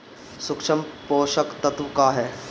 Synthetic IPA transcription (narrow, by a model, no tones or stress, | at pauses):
sʊkʃəmpoːʃəkt̪ɐt̪ʋkaːɦɛː